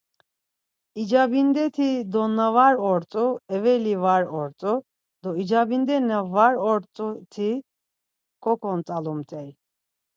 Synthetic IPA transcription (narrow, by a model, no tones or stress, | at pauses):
id͡ʒabind̪ɛt̪ʰid̪ɔnavaɾɔɾt͡sʼuɛvɛlivaɾɔɾt͡sʼu | d̪ɔid͡ʒabind̪ɛnavaɾɔɾt͡sʼut̪ʰi | kʼɔkʰɔnt͡sʼalumt̪ʼɛj